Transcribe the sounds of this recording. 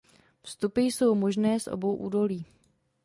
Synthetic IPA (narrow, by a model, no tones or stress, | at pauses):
fst̪upɪjso̞wmo̞ʒnɛːsʔo̰bo̞wʔuːdo̞liː